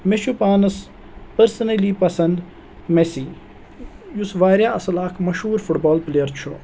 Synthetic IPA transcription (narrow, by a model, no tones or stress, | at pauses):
meʃupaːnɐs | pɐɾsɐnɐliːpɐsɐnd̪ | mesiː | jusʋaːɾjaːʔɐsɐlaːkʰmɐʃɦuːɾfuʈbaːlplejɐɾt͡ʃʰu